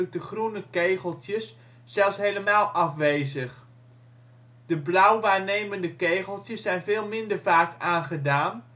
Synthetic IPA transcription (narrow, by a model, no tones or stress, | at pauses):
k̚dəχrunəkejχəlˠtjəsː | ɛlˠsɦejləmaːlˠʔɑfʋejzəχ | d̥əblœwʋaːɹnejməndəkejχəlˠtəsːɛjnvɪːlˠmɪndəɹvaːkaːnχədaːn